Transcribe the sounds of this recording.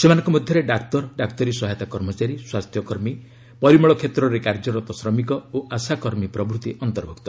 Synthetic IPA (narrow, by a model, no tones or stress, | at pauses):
semanɔ̃ŋkɔmɔd̪ʱjɔɾeɖak̚t̪ɔɾɖakt̪ɔɾisɔɦajt̪akɔɾmɔt͡ʃaɾiswast̪ʰjɔkɔɾmi | pɔɾimɔɭɔkʰet̪ɾɔɾekaɾd͡ʒɔɾɔt̪ɔsɾɔmikɔoʔasakɔɾmipɾɔbɾut̪iʔɔnt̪ɔɾbʱukt̪ɔ